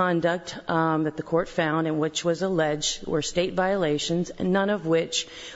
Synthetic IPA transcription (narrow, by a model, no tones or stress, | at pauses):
ɑ̃ndɨk̚tðɨt̪̚ðɨkʰɔɹtfãʊ̃ndɨ̃nwɪt͡ʃwʌzəlɛd͡ʒwə̰˞steɪtvaɪəleɪʃɨ̃nz̰̃nːʌ̃nʌvwɪt͡ʃ